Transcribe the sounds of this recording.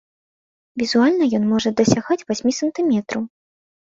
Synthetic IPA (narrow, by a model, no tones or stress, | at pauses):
vʲizualʲnɐjɔnmɔʐɐd̪ɐsʲaɣat͡sʲvasʲmʲisɐnt̪ɨmʲɛt̪ɾɐw